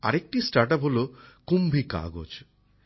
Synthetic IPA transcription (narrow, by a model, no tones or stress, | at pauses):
ɐ̰ɾek̚ʈːisʈaːɾʈɐpulukumbʱika̰ːɡo̰ːt͡ʃu̥